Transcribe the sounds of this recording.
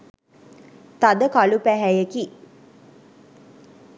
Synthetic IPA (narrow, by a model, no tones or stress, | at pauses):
t̪ad̪əkalupæɦæjəki